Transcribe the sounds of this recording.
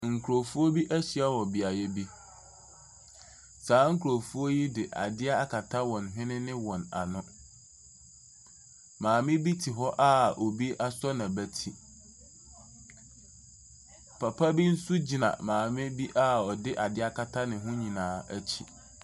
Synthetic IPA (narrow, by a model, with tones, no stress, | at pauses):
ŋ̩˨kʰu˨ɾo˨fu˦o˦bi˦ʔæ˦ɕi˨a˦wɔ˨bi˨a˨jɛ˦bi˦ | saː˨˦ŋ̩˦kʰu˨ɾo˨fu˦o˦ji˦dɪ˨ʔa̰˨dɪ˦a˦a˦kʰa˨tʰa˦wɔ̃˨nɦɪ̃˦nɪ̃˦nɪ̃˦wɔ̃˨na̰˨nʊ̃˦ | mãː˨mɪ̃˦bi˦tʰi˨ɦɔ˦ʔa˦o˨bi˦ʔa˦sɔ˦nã˨bæ˦tʰi˦ | pʰa˨pʰa˦bi˦n̩˦su˦d͡ʑi˨nã̰˨mãː˨mɪ̃˦bi˦ʔa˦ɔ˨dɪ˦ʔa˨dɪ˦a˦kʰa˨tʰa˦nɪ̃˨ɦʊ̃˦ɲĩ˨nãː˨˦æ˦t͡ɕʰi˦˨